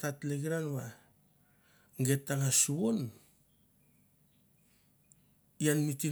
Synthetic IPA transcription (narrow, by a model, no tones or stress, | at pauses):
tatleɡiɾanwa | ŋɡe̞tːaŋasuβon | ianmiti